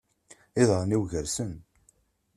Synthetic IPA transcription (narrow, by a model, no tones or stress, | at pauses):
ɪðˤʁniwʝəɾsən